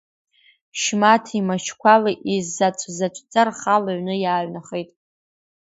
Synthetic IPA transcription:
ʃmatʰimaʃʰkʷʰalaʔizːat͡ʃʷʰʼzat͡ʃʷʰʼt͡sʼarχalaɥʷnɨjaːʕʷnaχejtʼ

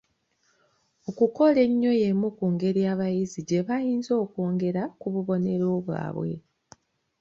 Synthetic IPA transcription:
o̞kuko̞le̞ɲːo̞je̞mukuŋɡe̞ɾiaːβajiziɟe̞βajiːnzo̞ːko̞ːŋɡe̞ɾakuβuβo̞ne̞ɾo̞ːβwa̰ːβwe̞̰

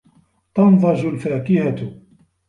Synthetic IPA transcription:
t̪ɑnðˤɑd͡ʒʊlfaːkɪhat̪

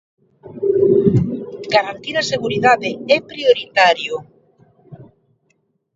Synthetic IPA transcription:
ɡaɾant̪iɾaseɣuɾiðaðeɛpɾioɾit̪aɾjʊ

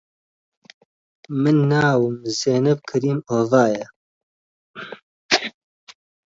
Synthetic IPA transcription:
mɨnːaːwɨmzeːnɨp̚kʰɨɾiːmoːvaːjɛ

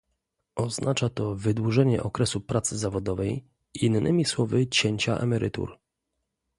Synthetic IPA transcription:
ɔznʔat͡ʂat̪ɔvɘd̪wuʐɛɲɛʔɔkɾɛsupɾat̪sɘzavɔd̪ɔvɛj | inːɘmʲiswɔvɘt͡ɕeɲt͡ɕa̰ʔɛ̰mɛɾɘ̰t̪ṵɾ

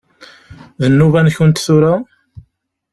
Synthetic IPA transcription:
ðənːuvænçʊnt̪θʊɾa

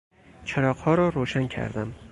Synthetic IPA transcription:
t͡ʃʰaɾɒqhɒɾɒɾoʃaŋkʲʰa̰ɾd̪ɪm

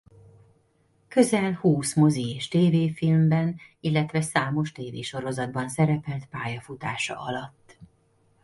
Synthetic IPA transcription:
kø̞zɛlhuːsmo̞zieːʃt̪eːveːfilmbɛnilːɛt̪ʋɛsaːmo̞ʃt̪eːveːʃo̞ɾo̞zɒd̪bɒnsɛɾɛpɛlt̪paːjɒfut̪aːʃɒ̰ʔɒlɒt̪ː

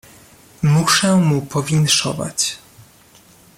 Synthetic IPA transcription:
muʂɛmupɔvʲinʂɔ̰va̰t͡ɕ

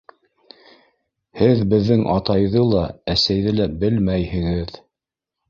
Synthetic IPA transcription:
hɘðbɘ̆ðːɘŋʔɑt̪ɑjðɤlˠɑæsæjðɘlæbɘlmæjhɘ̆ŋɘð

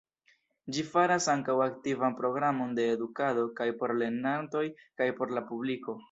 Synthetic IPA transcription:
d͡ʒifaɾasaŋkawaktivanpɾo̞ɡɾamo̞nde̞ːdukado̞kajpo̞ɾle̞nanto̞jkajpo̞ɾlapubliko̞

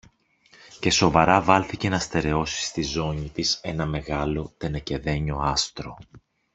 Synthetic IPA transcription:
ce̞so̞vɐɾɐvɐlθice̞nɐst̪e̞ɾe̞o̞si̥st̪izo̞ɲit̪ise̞nɐme̞ɣɐlo̞t̪e̞nɐce̞ðe̞ɲo̞ɐst̪ɾo̞̰

